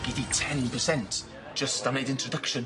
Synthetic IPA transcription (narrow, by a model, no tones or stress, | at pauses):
ɡ̥ɪtitʰɛ̃npʰəsɛ̃nt | d̥ʒ̥ʌstaneɪdɪ̃ntɹ̥ədəkʃə̃n